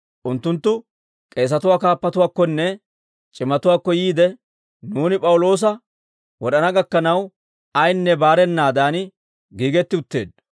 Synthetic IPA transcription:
ʔʊnt̪ːʊnt̪ːʊ | kʼe̞ːs̬ɐt̪ʊwaːkaːpːɐt̪ʊwaːkːɔnːɛ | t͡ʃʼɪmɐt̪ʊwaːkːɔjiːd̪ɛ | nuːnɪpʼɐwʊlo̞ːs̬ɐ | wɔɗɐnɐɡɐkːɐnɐw | ɐjnːɛbaːɾɛnːaːd̪aːn | ɡiːɡɛt̪ːɪʊt̪ːeːd̪

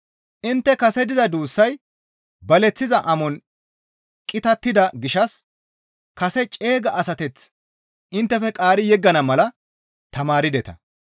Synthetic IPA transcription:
ʔɪnt̪ːɛkɐsɛd̪ɪzɐd̪uːsːɐj | bɐlɛt͡sːɪzɐʔɐmɔn | kʼɪt̪ɐt̪ːɪd̪ɐɡɪʃɐs | kɐsɛt͡ʃʼe̞ːɡɐʔɐsɐt̪ɛt͡sː | ʔɪnt̪ːɛfɛkʼaːɾɪjɛɡːɐnɐmɐlɐ | t̪ɐmaːɾɪd̪ɛt̪ɐ̰

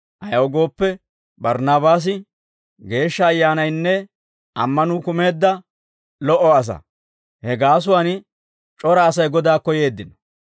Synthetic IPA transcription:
ʔɐjɐɔɡo̞ːpːɛ | bɐɾnaːbaːs̬ɪ | ɡe̞ːʃːɐːjːaːnɐjnːɛ | ʔɐ̰mːɐnʊkʊme̞ːd̪ːɐ | lɔʔɔɐs̬ɐ̰ | hɛɡaːs̬ʊwaːn | t͡ʃʼɔɾɐːsɐjɡɔd̪aːkɔje̞ːd̪ːɪnɔ̥

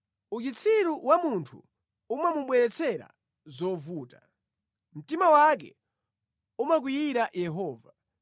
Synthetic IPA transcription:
ut͡ʃit͡sʰiɾuwamuntʰu | umamuɓwɛɾɛt͡sʰɛɾa̰ | zɔvuːta | m̩timawak̬ɛ̰ | umak̬ujiɾaʔjɛɦɔːva

